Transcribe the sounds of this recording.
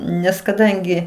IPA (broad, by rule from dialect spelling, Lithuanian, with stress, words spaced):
nʲɛs kɐˈdɐŋʲɡʲɪ